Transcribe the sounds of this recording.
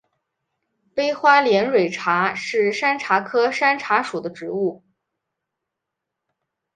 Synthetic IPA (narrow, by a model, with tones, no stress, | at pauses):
pe˥ɪxwa˥ljɛ˧˥nɻwe˨˩ɪʈ͡ʂʰa˧˥ʂɻ̩˥˩ʂa˥nʈ͡ʂʰa˧˥kʰɤ˥ʂa˥nʈ͡ʂʰa˧˥ʂu˨˩d̪ə˦ʈ͡ʂɻ̩˧˥u˥˩